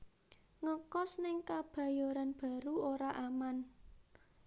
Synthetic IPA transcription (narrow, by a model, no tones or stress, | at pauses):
ŋəkɔsnɪŋkab̥ä̤joɾanb̥ä̤ɾuoɾaʔaman